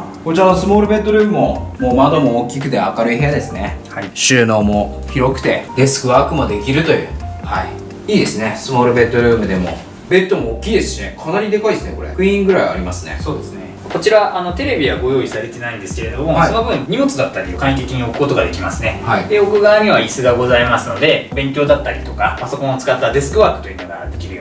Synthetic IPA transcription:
kot͡ɕiɾanosɨmo̞ːɾɯ̟be̞t̪ːo̞ɾʲɯ̟ːmɯmo̞moːmad̪o̞moːkʲik̬ɯ̟t̪e̞akaɾɯ̟ihejad̪e̞sɨne | aiɕɨːno̞ːmo̞çiɾo̞kɯ̟̥t̪e̞̰d̪e̞sɨ̥kɯ̟βaːkɯ̟mad̪e̞kʲiɾɯ̟t̪o̞jɯ̟̰ːhai | iːd̪e̞sɨne̞sɨmo̞ːɾɯ̟be̞t̪ːo̞ɾɯ̟ːmɯ̟d̪e̞mo̞̰ | be̞t̪ːo̞moːkʲiːd̪e̞sɨ̥ɕine̞kʰanaɾʲid̪e̞kaid̪sɨne̞ko̞ɾe̞̰kɯ̟ĩŋɡɯ̟ɾaia̰ɾʲimasɨne̞̰so̞ːd̪e̞sɨne | kot͡ɕiɾaʔano̞t̪e̞ɾe̞bʲiɡaɡo̞jo̞ːisaɾe̞t̪e̞naĩnd̪e̞sɨ̥keɾe̞d̪o̞mo̞sono̞bɯ̟̃ɲ̟imo̞t͡sɨd̪at̪ːaɾʲiokãit̪̬e̞kʲiɲ̟io̞kɯ̟̥kot̪o̞ɡad̪e̞kʲimasɨne̞haid̪e̞o̞kɯ̟ɡaːɲ̟ʲiβaisɨɡaɡo̞zaimasɨno̞d̪e̞bẽ̞ŋkʲo̞ːd̪at̪ːaɾʲit̪o̞kapaso̞kõ̞ot͡sɨ̥kat̪ːad̪e̞sɨ̥kɯ̟βaːkɯ̟̥t̪o̞jɯ̟ːno̞ɡa̰d̪e̞kʲiɾɯjo

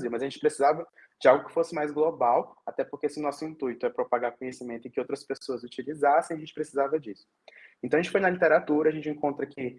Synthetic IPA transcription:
ziwmɐzaɐʒẽnt͡ʃɪ̥pɾesizavɐ | d͡ʒɪawɡʊkɪ̥fosɪmajzɡlobawat̪ɛpoɾkesɪʊnɔsʊĩnt̪ujt̪ʊɛpɾopaɡaɾkõɲesimẽnt̪ʊɪ̃kɪowt̪ɾɐspesoɐzut͡ʃilizasẽj̃ɐʒẽt͡ʃɪpɾesizavɐd͡ʒisʊ̥ | ẽt̪ɐ̃ɐʒẽt͡ʃɪfojnɐlit̪eɾat̪uɾɐaʒẽnt͡ʃɪẽkõnt̪ɾɐkɪ

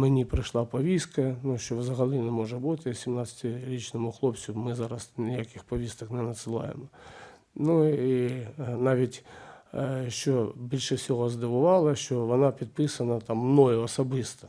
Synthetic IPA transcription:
menʲipɾɪʃlˠɑpɔʋʲiskɐnuʃt͡ʃɔʋzɐɦɐlʲˠinɛmɔʒɛbut̪ɪsʲimnɑsʲɐ̥tʲɪɾʲit͡ʃnɔmʊxlˠɔpt͡sʲʊmɪzɑɾɐsnʲɪjakʲɪxpɔʋʲist̪ɐknɛnɐt̪sɨlˠɑ̰jḛmɔ | nuinɑʋʲitʲ | ʃt͡ʃɔbʲilʲʃɛwsʲɔɦɔzd̪ɐʋʊʋɑlˠɐʃt͡ʃɔʋɔnɑpʲid̪̚pɪsɐnɐt̪ɑmːnɔjʊɔsɐbɪst̪ɐ̥

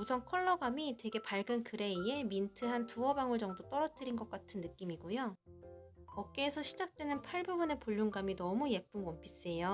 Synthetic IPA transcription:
usʰʌnkʰʌɭːʌɡamitwe̞ɡe̞paɭɡɯnkɯɾe̞ie̞mintʰɯɦantuʌbaŋɯɭd͡ʑʌŋdot͈ʌɾʌt͈ɯɾinɡʌk͈atʰɯnːɯk͈imiɡojo | kʌk̚k͈eːsʰʌɕʰid͡ʑak̚t͈we̞nɯnpʰaɭbubɯne̞poʎːuŋɡaminʌmujek̚p͈ɯnwʌmpʰis͈e̞jo

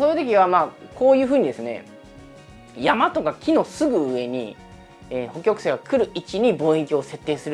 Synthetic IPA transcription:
soːjɯt̪o̞k̬ʲiβamaːko̞ːjɯ̟ːɸɯ̟ːɲ̟id̪e̞sɨne̞̰ | jamat̪o̞kakʲʰino̞sɨɡɯ̟ɯ̟e̞ɲ̟i | eːho̞kʲo̞kɯ̥seːɡakʰɯ̟ɾɯ̟it͡ɕiɲ̟ibo̞ːek̬ʲio̞se̞t̪ːe̞ːsɨɾɯ

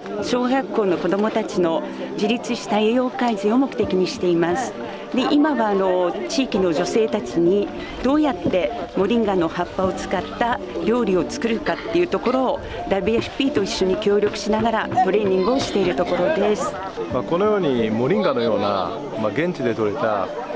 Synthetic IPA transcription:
ɕo̞ːɡakːo̞ːno̞ko̞d̪o̞mo̞t̪at͡ɕino̞ | d͡ʑiɾʲit͡sɨɕi̥t̪aejo̞ːkaizio̞mo̞kɯ̟t̪e̞kʲiɲ̟iɕi̥t̪e̞imasɨ̥ | d̪e̞ʔimaβaːno̞t͡ɕiːkʲino̞ʑo̞se̞ːt̪at͡ɕiɲ̟i | d̪̥o̞ːjat̪ːe̞mo̞ɾʲĩŋɡano̞hapːao̞t͡sɨ̥kat̪ːa | ɾʲo̞ːɾʲio̞t͡sɨ̥kɯ̟ɾɯ̟kat̪ːe̞jɯ̟t̪o̞ko̞ɾo̞ː | d̪abɯeɸɯ̥pʲiːt̪o̞iɕːo̞ɲ̟ikʲo̞ːɾʲo̞kɯ̟̥ɕinaɡaɾaso̞ɾẽ̞ɲʲːĩŋɡɯ̟o̞ɕi̥t̪e̞iɾɯ̟t̪o̞ko̞ɾo̞d̪e̞sɨ̥ | mako̞no̞jo̞ːɲ̟imo̞ɾʲĩŋɡano̞jo̞ːna̰ | maɡẽ̞ɲ̟t͡ɕid̪e̞t̪o̞ɾet̪a̰

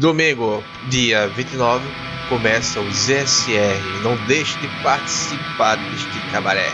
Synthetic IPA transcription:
d̪omĩŋɡʊ | d̪iɐvĩnt̪ɪnɔvɪ | kõmɛsɐʊzeɛsɪɛɦɪːnɐ̃w̃d̪ejʃɐd̪ɪpaɾt̪i̥sipaɾd̪eʃt̪ɪkabaɾɛ̰

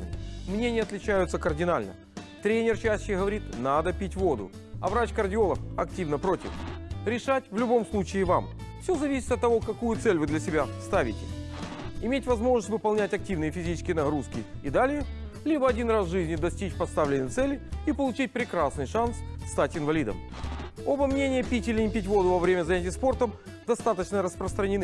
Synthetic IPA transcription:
mnʲenʲɪɐt̪lʲɪt͡ɕæjʊt̪səkərdʲɪnalʲnə̰ | t̪ɾʲenʲɪrt͡ɕæɕɕɪɣəvɐɾʲit̪nad̪əpʲitʲvo̞d̪ʊ̰ɐ̰vɾat͡ɕkərdʲɪo̞lˠəfɐktʲivnəpɾo̞tʲɪ̰fɾʲɪʂatʲvlʲʊbo̞mslˠut͡ɕɪːvam | fsʲɵzɐvʲisʲɪ̥t̪ɐt̪ːɐvokɐkujʊt̪sɛlʲvɨd̪lʲɐsʲɪbʲast̪avʲɪtʲɪ | ɪmʲetʲvɐzmo̞ʐnəstʲvɨpɐlˠnʲætʲɐk̚tʲivnɨjəfʲɪzʲiɪ̥skʲɪjənɐɣɾuskʲɪid̪alʲɪjə | lʲibəɐdʲinrasʐɨzʲnʲɪd̪ɐsʲtʲit͡ɕpɐst̪avlʲɪnɨjt̪sɛlʲɪipəlˠʊt͡ɕit̚ʲpɾʲɪkɾasnɨjʂansːt̪atʲɪnvɐlʲid̪ə̰m | o̞bəmnʲenʲɪjəpʲitʲɪlʲɪnʲɪpʲɪtʲvo̞d̪ʊvɐvɾʲemʲəzɐnʲætʲɪjəspo̞rt̪əm | d̪ɐst̪at̪ət͡ɕnəɾəspɾəst̪ɾənʲɪnɨ

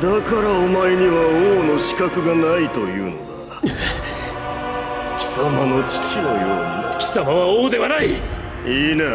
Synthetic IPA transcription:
d̪akaɾaomaeɲ̟iβaoːno̞ɕi̥kakɯ̟ɡanait̪o̞jɯ̟̰ːno̞̰d̪a | kʲi̥samano̞t͡ɕi̥t͡ɕinojoːmakʲi̥samaβaoːd̪e̞βanai | iːne

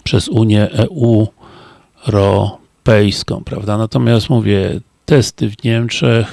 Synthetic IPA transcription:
pʂɛzuɲjɛʔɛu | ɾɔ | pɛjskɔ̰̃w̃pɾa̰vd̪anat̪ɔmʲjast̪muvʲjɛ | t̪ɛst̪ɘvɲɛmt͡ʂɛx

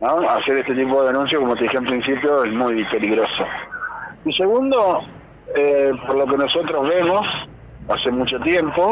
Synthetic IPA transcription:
nõaseɾeht̪et̪ip̬oðeðenũns̬jokomot̪eixeemp̬ɾinsipjoesmujpe̞liɣɾoso̰ | ise̞ɣund̪o | epoɾlo̞k̬enoso̞t̪ɾozβemos | a̰semut͡ʃot̪je̞mpo̞

